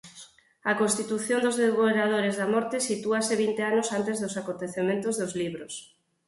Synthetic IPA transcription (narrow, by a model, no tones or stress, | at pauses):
ɐkonst̪it̪uθjond̪ozðeβoɾað̞oɾezðamɔɾt̪ɪsit̪uasɪβ̞int̪eanosant̪ezðʊsakont̪eθemẽnt̪ʊzðozliβɾos